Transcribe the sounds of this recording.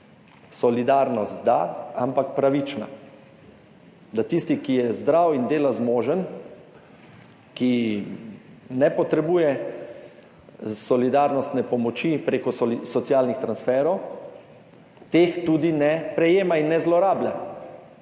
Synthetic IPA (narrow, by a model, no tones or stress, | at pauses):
sɔlid̪aɾnɔst̪d̪a̰ampakpɾaʋit͡ʃna̰ | d̪at̪ist̪ikijɛzd̪ɾawind̪eːlazmoːʒən | ki | nɛpɔt̪ɾɛbuːjɛ | sɔlid̪aɾnɔst̪nɛpɔmɔt͡ʃipɾeːkɔsɔt̪sjaːlnixt̪ɾansfɛːɾɔw | t̪eːxt̪uːd̪inɛpɾɛjeːmainːɛzlɔɾaːblʲa